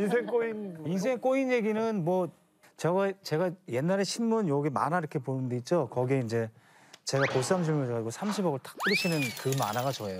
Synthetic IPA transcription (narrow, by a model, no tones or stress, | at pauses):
insʰeŋk͈oinins̬ʰe̞ŋk͈oinje̞ɡinɯnmwʌ | t͡ɕʌɡat͡ɕe̞ɡaje̞nːaɾe̞ɕʰinmunjoɡema̰naiɾʌkʰe̞ponɯnde̞it̚t͡ɕ͈okʌɡieind͡ʑe̞ | t͡ɕe̞ɡakos͈amɕ̬ʰiɭmuɡad͡ʑiɡosʰamɕʰibʌɡʌɭtḁk̚p͈ɯɾiɕʰinɯnkɯma̰naɡat͡ɕʌejo